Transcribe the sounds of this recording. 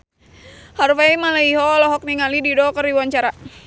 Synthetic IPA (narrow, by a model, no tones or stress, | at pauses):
harfaimalaiɦɔlɔɦɔk̚niŋalididɔkəriwaɲt͡ʃaɾa